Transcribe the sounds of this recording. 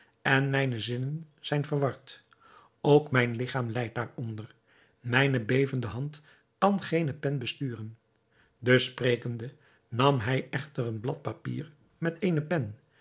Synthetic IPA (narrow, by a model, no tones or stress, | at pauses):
ɛnmɛjnəzɪnənz̥ɛjnvəɹʋɑɹt | owkmɛjnlɪχaːmlɛjt̚daːɹɔndəɹ | mɛjnəbejvəndəɦɑnt | kɑnχejnəpɛnbəstyːrən | dəsprejkəndə | nɑmɦɛjɛχtərənblɑt̚pɑpḭːɹ | mɛtejnəpɛn